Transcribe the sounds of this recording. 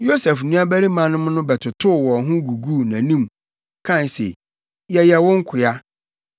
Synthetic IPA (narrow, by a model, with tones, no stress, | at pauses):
jo˦sɛ˨fnũ˦a˦bæ˦ɾi˦mã˨nʊ̃˦m˦nʊ̃˦bɛ˨tʰʊ˨tʰʊ˦˨wɔ˨ɦʊ̃˦ɡu˨ɡu˦˨nã˨nĩ˦m | kʰã˦˨n˨sḛ˨ | jɛ˨jɛ˨wʊ̃˦ŋ̩˦kʰʊ˨a˦